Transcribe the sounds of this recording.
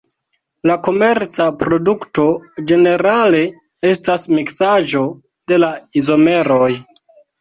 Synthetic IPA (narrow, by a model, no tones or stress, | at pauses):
lako̞me̞ɾt͡sapɾo̞dukto̞d͡ʒe̞ne̞ɾale̞ | e̞stasmiksaʒo̞ | de̞laizo̞me̞ɾoj